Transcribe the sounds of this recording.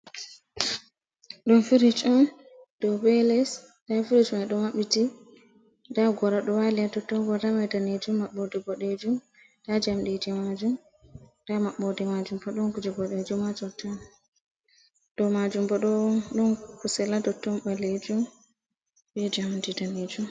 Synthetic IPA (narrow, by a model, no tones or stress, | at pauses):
ɗɔnfiɾit͡ʃɔn | ɗɔbɛlɛs | dafiɾit͡ʃɔnɛɗɔmaɓiti | daɡɔɾaɗɔwaliadɔtːɔɡɔdamɛdaned͡ʒumːaɓːɔdiɡɔɗed͡ʒum | tad͡ʒamɗed͡ʒɛmad͡ʒum | d̥amaɓɔdɛmad͡ʒumbɔɗɔnkud͡ʒɛɡɔɗed͡ʒumːad͡ʒɔta | ɗɔmad͡ʒumbɔɗɔɗɔnkusɛladɔtːɔmbaled͡ʒum | bɛd͡ʒamdidaned͡ʒum